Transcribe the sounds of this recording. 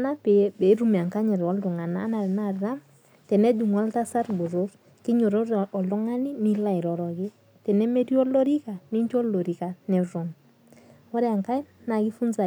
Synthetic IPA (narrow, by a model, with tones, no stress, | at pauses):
na˦pɛ˨bɛ˨˦ɾu˦mi˨a˨ŋka˦ɲɛ˨ɾɔ˦ldu˨ŋa˨naː˦na˨ɾɛ˨na˦ɾa˦m | tɛ˨nɛ˦du˨ŋa˦lta˦sa˦ɾbu˨ɾo | ki˦ɲɔ˨ɾɔ˦ɾɔ˨lɔ˦ŋa˦ni˦mi˦la˦i˨ɾɔ˨ɾɔ˨ɡɪ˦ | tɛ˨nɛ˦me˦di˦ɔ˦lɔ˦ɾi˦ka˨ni˦ɲt͡ʃɔ˦lo˨ɾi˨ka˨nɛ˨ɾɔ˨n | wɔ˦ɾɛ˦a˨ŋka˦jna˨ɡi˦fu˦nza˨